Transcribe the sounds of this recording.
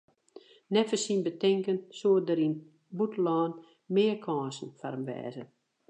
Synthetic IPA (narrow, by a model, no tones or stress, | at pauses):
nɛtfəsinbətɪŋkənsoədəɾin | butlɔːn | mɪːəkʰɔːsn̩faɾənʋɛ̰ːzə